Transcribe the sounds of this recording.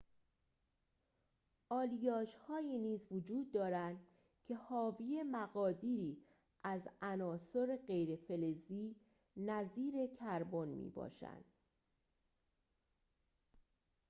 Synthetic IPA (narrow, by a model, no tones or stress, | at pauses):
ʔɒːlijɒːd͡ʒhɒːiːniːzvod͡ʒuːd̪̚ːɒːɾænd̪̥ | cʰe̞hɒːviːemæɣɒːd̪iːɾiː | ʔæzænɒːsoɾeɢe̞jɾefe̞leziː | næziːɾe̞cʰæɾbonmḭːbɒ̰ːʃæ̰nd̪̥